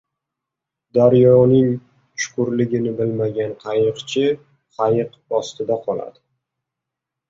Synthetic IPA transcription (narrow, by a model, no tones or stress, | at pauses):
d̪aɾjɒnɪŋ | t͡ʃʊ̥kʰʊɾlɪɡʲɪnɪbɪlmaɡʲanqʰɑjɨqt͡ʃʰɪ | qʰɑjɨq | ɒst̪ʰɪd̪aqʰɒla̰d̪ɪ